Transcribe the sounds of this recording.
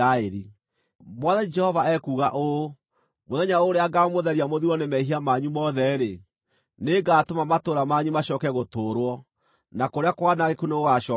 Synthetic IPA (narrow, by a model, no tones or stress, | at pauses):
aeɾi | mwɔðɛd͡ʒɛhɔvaɛkuːɣaʔo | moðɛɲaoɾeaɡaɔmoðɛɾiamoðiwɔnemɛiɦiamaɲumɔðɛɾe | neɡaːtomamatoɾamaɲumaɕɔːkɛɣotoɾwɔ | nakoɾeakwanaɣekuneɣoɣaʃɔ